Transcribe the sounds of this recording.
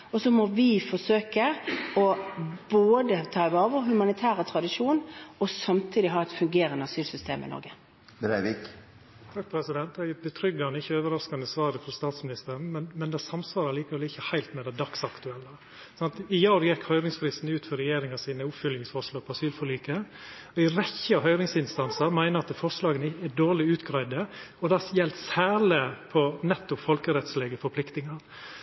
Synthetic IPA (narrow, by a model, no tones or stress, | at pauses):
ɔsɔmɔʋɪfɔʂøːkəɔboːd̪ət̪ʰɑːʋɑːʋəɦʉmɑnɪt̪ʰæːɾət̪ʰɾɑd̪ɪʂuːnɔsɑmt̪ʰiːd̪ɪɦɑːɛt̪fʉŋɡeːɾənəɑsyːlsʏst̪ḛːmʔɪ̰nɔ̰ɾɡə | bɾæɪʋɪk | t̪ʰɑk̚ːpʰɾɛsɪd̪ɛnt̪ɛɡɛbət̪ʰɾʏɡːɑnəɪçəøːʋəɾɑskɑnd̪əsʋɑːɾəfɾɔst̪ɑːt̪smɪnɪst̪əɾn̩mɛnmɛnd̪ɛæsɑmsʋɑːɾəliːkəɾʋɛlɪçːəhæɪlt̪mɛd̪æd̪ɑksɑkt̪ʉɛlːə | sɑnt̪ɪjɑːɾjɛkhœʏɾɪŋsfɾɪst̪n̩ʉːt̪fɔɾɛjeːɾɪŋɑsiːnəʊpfʏljɪŋsfɔʂloːpʰɔɑsyːlfɔɭiːkəɔɪɾɛçəɑɦœʏɾɪŋsɪnst̪ɑnsɑɾmæɪnəɑt̪fɔʂlɑːɡənɪɛd̪oːɭɪʉːt̪ɡɾæɪd̪əɔd̪ɑjɛlt̪sæːləpʰɔnɛt̪ːʊpfɔlkəɾɛt̪sleːɡəfɔɾpʰlɪkt̪ɪŋɑɾ